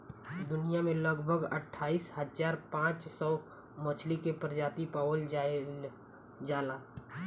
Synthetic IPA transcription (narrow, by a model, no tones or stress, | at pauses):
d̪ʊnijamẽləɡbʱəɡə̰ʈʰːaːiːshəd͡ʒaːɾpãːt͡ʃsɔː | mət͡ʃʰlikepɾəd͡ʒaːt̪ipaːwəl | d͡ʒaːla